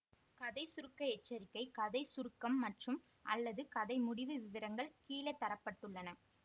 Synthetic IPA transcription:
kɐðɐɪsʊɾɯkːɐɛt͡ʃːɐɾɪkːɐɪkɐðɐɪsʊɾɯkːɐmːɐʈrɯm | ʔɐ̰lːɐðɯkɐðɐɪmʊɽɪʋɯʋɪʋɐɾɐŋɡɐɭkiːlɐt̪ːɐɾɐpːɐʈːɯɭːɐnɐ

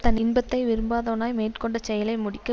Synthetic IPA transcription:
t̪ɐnɪnbɐt̪ːɐɪʋɪɾɯmbaːðɐʋnaːjmeːʈkɔɳɖɐt͡ʃɛjɐlɐɪmʊɽɪkːɐ

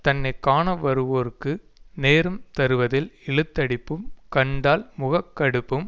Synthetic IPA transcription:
t̪ɐnːɐɪkːaːɳɐʋɐɾɯʋoːɾkːɯ | neːɾɯmt̪ɐɾɯʋɐðɪlɛɭɯt̪ːɐɽɪpːɯmkɐɳɖaːlmʊɣɐkːɐɽɯpːɯm

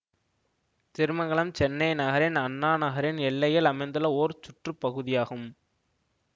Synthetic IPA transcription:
t̪ɪɾɯmɐŋɡɐɭɐmt͡ʃɛnːɐɪnɐɣɐɾɪnɐnːaːnɐɣɐɾɪnɛɭːɐjɐlɐmɐɪnd̪ɯlɐoːɾt͡ʃʊʈrɯpːɐɣɯðɪjaːɣɯm

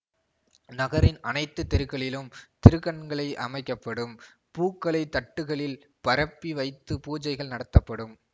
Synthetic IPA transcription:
nɐɣɐɾɪnɐnɐɪt̪ːɯt̪ːɪɾɯkːɐɭɪlɯmt̪ɪɾɯkːɐɳɡɐɭɐɪʔɐmɐɪkːɐpːɐɽɯm | puːkːɐɭɐɪt̪ːɐʈːɯɣɐɭɪl | pɐɾɐpːiʋɐɪt̪ːɯpuːd͡ʒɐɪɣɐɭnɐɽɐt̪ːɐpːɐɽɯm

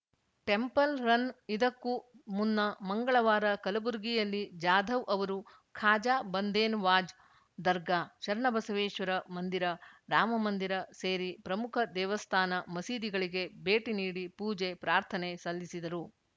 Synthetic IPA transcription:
ʈe̞mpɐlɾɐnid̪ɐkːumunːɐmɐŋɡɐɭɐʋaːɾɐkɐlɐbuɾɡijɐlːid͡ʒaːd̪ʱɐʋʔɐʋɐɾu | kʰaːd͡ʒaːbɐnd̪eːnʋaːd͡ʒ | d̪ɐɾɡaːt͡ʃɐɾɐɳɐbɐsɐʋeːʃʋɐɾɐmɐnd̪iɾɐɾaːmɐmɐnd̪iɾɐseːɾipɾɐmukʰɐd̪ɛːʋɐst̪ʰaːnɐmɐsiːd̪iɡɐɭiɡe̞beːʈiniːɽipuːd͡ʒepɾaːɾt̪ʰɐnesɐlːisid̪ɐɾu

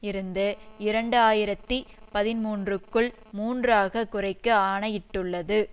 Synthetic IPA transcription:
ɪɾɯnd̪ɯɪɾɐɳɖɯaːjɪɾɐt̪ːipɐðɪnmuːndrɯkːɯɭ | muːndraːɣɐkːʊrɐɪkːɯaːɳɐjɪʈːɯɭːɐðɯ

